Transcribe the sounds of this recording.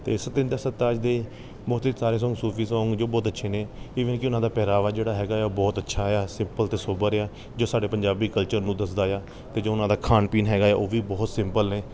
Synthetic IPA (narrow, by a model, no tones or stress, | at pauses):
t̪ḛːɪsd̪ɪnd̪esət̪aːəd͡ʒd̪eː | bɔːt̪ːsaːɾeːs̬ɔ̃ːŋɡsuːpʰiːsãŋɡd͡ʒoːbɔːt̪ətːʃʰeːnẽːiːʋənkɪʊnãːd̪aːpɛːɾaːʋaːd͡ʒeːɽaːɦɛːɡaːɛoːbɔːt̪ətːʃʰaːɦɛaːsɪmpəlt̪eːsoːbəɾeaː | d͡ʒoːsaːɖeːpəɲd͡ʒaːbiːkəlt͡ʃəɾnũːd̪əsd̪aːjaː | t̪eːd͡ʒoːʊnãːd̪aːkʰaːnpiːnɦɛːɡaːa̰ːʔoːʋiːbɔːt̪sɪ̃mpəlneː